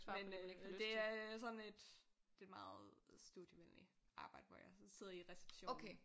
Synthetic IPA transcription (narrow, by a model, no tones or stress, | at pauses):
mend̥e̝æɐs̬ɒ̽ne̝d̥e̝̥mɑ̈ːð̞̩ˠsd̥ud̥jəʋen̰lḭ | ʔɑ̈ːb̥ɑ̈ɪ̰d̥əʋɒ̰jɑ̈ɪse̝ð̰ˠɐiʁɛse̥b̥ɕo̰o̰kʰe